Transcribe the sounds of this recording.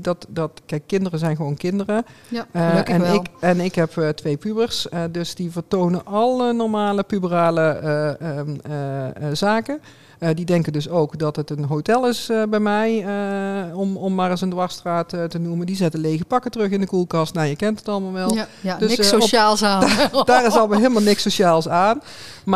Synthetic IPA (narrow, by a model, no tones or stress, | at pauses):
dɑtdɑtkɛjkːɪndərəzɛjnɣəʋownkɪndərə | ɛnɪkɛnɪkɦɛptʋejpybəɹsdɵsdivəɹtownənʔɑlˠənɔɹmaːləpybəraːlə | zaːkə | didɛŋkəndɵsowkdɑtɦətənɦowtɛlˠɪsbɛjmɛjəɔmɔmːaːrɑsəndʋɑɹstraːttənuməndizɛtəlejɣəpɑkətərɵχɪndəkulˠkɑstnawjəkɛntətɑlˠəmaːlˠʋɛlˠdəsaːlˠsad̥aːrɪsɑlˠəmalɦeːlˠəmalˠnɪksoʃaːlˠsaːnm